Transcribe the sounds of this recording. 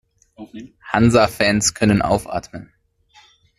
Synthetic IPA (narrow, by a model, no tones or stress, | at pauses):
hanzafɛnskʰœnənʔa̰ʊfʔa̰ːtmən